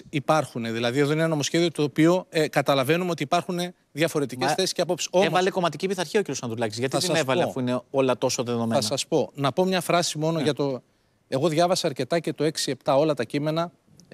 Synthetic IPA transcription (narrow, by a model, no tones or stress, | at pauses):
ipɐɾxune̞ðilɐðie̞ðo̞inenɐno̞mosçe̞ðio̞t̪o̞ːpio̞kɐt̪ɐlɐve̞numeo̞t̪iːpɐɾxune̞ | ðʝɐfo̞ɾe̞t̪ice̞sθesi̥sceɐpo̞psi̥so̞emvɐle̞ko̞mɐt̪icipiθɐɾçiociɾjosɐnd̪ɾulɐcizʝɐt̪iɐt̪isɐnevɐleɐffuineo̞lɐt̪o̞so̞ðe̞ðo̞meɐnɐsɐspo̞nɐpo̞mɲɐfɾɐsimo̞no̞ʝɐt̪o̞ | e̞ɣo̞ðʝɐvɐsɐːɾce̞t̪ɐce̞t̪o̞e̞ksie̞pt̪ɐo̞lɐt̪ɐcime̞nɐ